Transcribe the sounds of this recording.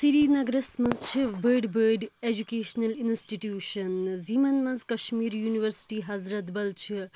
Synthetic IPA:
siɾinɐɡɾɐsmɐnzʃʰibəːɖbəːɖed͡ʒukeːʃnɐlinsʈiʈjuːʃɐnziːmɐnmɐnzkɐʃmiːɾjuːniʋɐɾsi̥ʈiɦɐzɾɐt̪bɐlt͡ʃʰi

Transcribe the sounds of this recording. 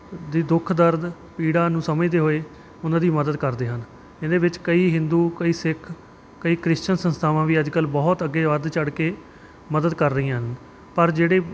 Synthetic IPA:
d̪iːd̪ʊkʰːd̪əɾd̪ | piːɽaːnũːsəməd̪eːɦoːeː | ʊnãːd̪iːməd̪əd̪kəɾd̪eːɦən | ɪnd̪eːʋɪt͡ʃkəiːɦɪ̃nd̪uːkəiːsɪkʰ | kəiːkɾɪst͡ʃənsənst̪ʰaːʋãːʋiːəd͡ʒkəlbɔːt̪əɡːeːʋəɾd̪t͡ʃəɽkeː | məd̪əd̪kəɾːəɦĩːãːɦən | pəɾd͡ʒeːɽeː

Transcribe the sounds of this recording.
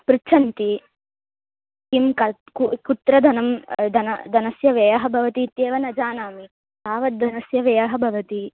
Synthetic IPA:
pɾɪt͡ʃʰɐnt̪i | kimkɐ | kukut̪ɾɐd̪ʱɐnɐmd̪ɐnɐd̪ɐnɐsjɐʋeːjɐɦɐbʱɐʋɐt̪iːt̪jeːʋɐnɐd͡ʒaːnaːmi | d̪aːʋɐt̪̚d̪ɐnɐsjɐʋeːjɐɦɐbʱɐʋɐt̪i

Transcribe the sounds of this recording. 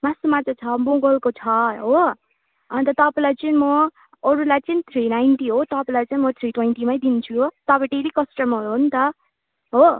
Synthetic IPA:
masumat͡sat͡sʰʌboɡʌlkot͡sʰʌɦo | nt̪ʌt̪ʌpalajt͡sʌnĩmʌː | ɾulajt͡sʌnĩt̪ʰɾinajnʈiɦot̪ʌpalat͡saĩmʌt̪ʰriʈwejnʈimajd̪int͡sʰuot̪ʌpʌ̃ʈeɾikʌsʈʌmɦʌɾuɦont̪ʌ | ɦo

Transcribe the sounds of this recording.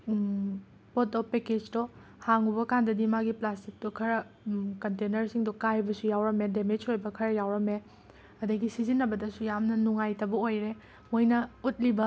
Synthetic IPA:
pot̚dopeked͡ʒdohaŋubɐkandɐdimaɡiplastik̚tukʰɐɾɐ | kɐntenɐɾsiŋdɔkajbɐsujawɾɐmedemed͡ʒojbɐkʰɐɾɐjawɾɐme | ɐdɐɡisizinːɐbɐdɐsujamnɐnuŋajtɐbɐojɾe | mojnɐut̚libɐ

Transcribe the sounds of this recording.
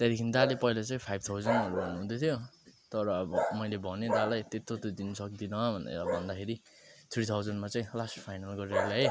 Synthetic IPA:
t̪aɾikʰinid̪alepʌilat͡saĩpʰajb̚ʱt̪ʰawd͡zʌnʌɾubʌnːuɦũt̪ʰot̪ʰjot̪ʌɾʌːbʌmʌjlebʱʌned̪alajt̪et̪ːot̪od̪inʌsʌkd̪inʌbʱʌnd̪a̰bʱʌnd̪akʰeɾi | t̪ʰɾit̪ʰawd͡zʌnmat͡saĩlasʈpʰajnalɡʌɾeɾlaɦe

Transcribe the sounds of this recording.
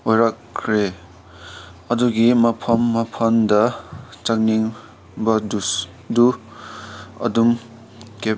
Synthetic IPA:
ojɾakːʰɾe | ʌduɡimɐpʰʌmːɐpʰʌndɐt͡sak̚niŋ | bʌdus | du | ʌ̰dum | kep̚

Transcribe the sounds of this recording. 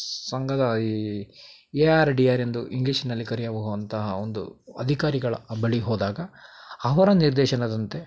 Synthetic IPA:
sɐŋɡɐd̪ɐ | eaːɾɖiaːɾe̞nd̪uʔiŋɡliʃinɐlːikɐɾijaːbɐɦuʋɐnt̪ɐɦɐond̪ṵɐ̰d̪ʱikaːɾiɡɐɭɐ̰bɐɭiɦɔːd̪aːɡɐɐʋɐɾɐniɾd̪ɛːʃɐnɐd̪ɐnt̪e̞

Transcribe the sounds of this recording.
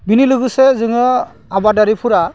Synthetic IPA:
binilɯɡɯsezɯŋɯ | abadaɾipʰuɾa

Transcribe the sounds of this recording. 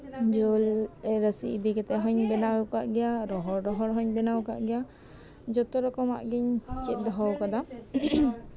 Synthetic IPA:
d͡ʒɔlɛɾəsḭʔid̪ikɛt̪ɛɦɔɲbɛnakaʔɡɛjaɾɔɦɔɾɾɔɦɔɽɦɔɲbɛnawka̰ʔɡɛja | d͡ʒɔt̪ɔɾɔkɔma̰ʔɡiɲt͡ʃit̪̚ˀd̪ɔɦɔwkad̪a

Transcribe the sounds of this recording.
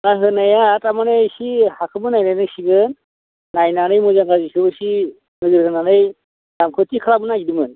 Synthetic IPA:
naɦɯnajatamanesihakʰɯmɯnajnajnɯsiɡɯnː | ajnanɯjmuzaŋɡazikʰɯbɯsi | nɯɡɯɾɦɯnanɯj | damkʰɯtikʰaɾamɯnaɡidimɯn

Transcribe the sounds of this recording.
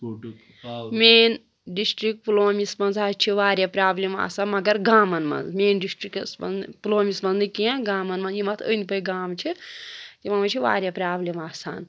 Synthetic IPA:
meːn | ɖisʈɾik̚ʈploːmismɐnzaːt͡ʃʰiʋaːɾʲjapɾaːblima̰ːsaːnmɐɡɐɾɡaːmɐnmɐ̰nzmeːnɖisʈriksbɐ̰nploːmisbɐnnɨkiãɡaːmɐnmɐnzjimɐt̪ʰə̰ːnipɐjɡaːmt͡ʃʰit̪imɐmɐt͡ʃʰiʋa̰ːɾʲjapɾaːblemaːsa̰ːn

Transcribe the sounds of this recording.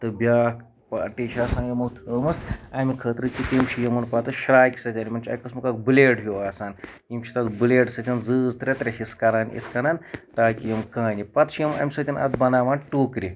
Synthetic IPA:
t̪ɨbʲaːk | paʈiʃaːsaːnjɐmɐt̪ʰəːmɨsɐmikʰət̪ɾɨt͡ʃit̪imʃʰijɐmɐnpɐt̪ɨʃɾaːjkʲi̥sɐt̪ʲanʲimɐnt͡ʃʰɐ̰jkɐsmɨkɐːk̚bɨleːʈɦjoːaːsaːn | imʃʰi̥t̪ɐd̪bɨleːʈsɐt̪ʲɐnzɨːzt̪ɾʲet̪ɾʲeɦiskɐɾaːnḭt̪ʰkɐnaːnʈaːkijɐmkaːnipɐt̪ʃijɐmɐ̰mʲisɐt̪ʲɐnɐ̰d̪bɐnaːʋaːnʈuːkɾi

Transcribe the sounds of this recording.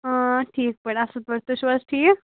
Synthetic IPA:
əʈʰiːk̚pəɳəsət̪ʋəɾt̪əɕʋəsʈʰiːk

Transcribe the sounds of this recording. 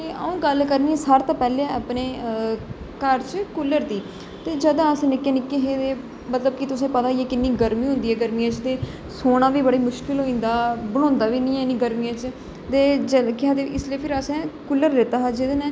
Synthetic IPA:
t̪eːʔəũːɡəlkəɾniɛːsəɾt̪ãːpɛːlẽːaːpneː | kəɾt͡ʃkʊlːəɾd̪iː | t̪eːd͡ʒəd̪ãəsnɪkːeːnɪkːeɦẽːt̪eː | mət̪ləbkɪt̪ʊsẽːpət̪aːiɛːkɪnːiːɡəɾmĩːɦʊ̃nd̪iːɛːɡəɾmijãːt͡ʃt̪eː | soːɽãːʋiːbəɽeːmʊʃkɪlɦoːĩːnd̪aːbəɽ̃ɔ̃ːnd̪aːʋiːnĩːɛ̃niːɡəɾmijãːt͡ʃ | t̪eːd͡ʒəkɪãːd̪eːɪslieːpʰɪɾəsɛ̃ːkʊlːəɾːeːt̪aːɦaːd͡ʒɪd̪eːñː

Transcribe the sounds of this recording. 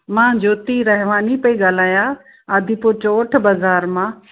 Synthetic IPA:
mãːd͡ʒoːt̪iɾɐɦɪʋaːnipəiɡaːl̤aːjã | əd̪ʱipot͡ʃoːʈʰbazaːɾmãː

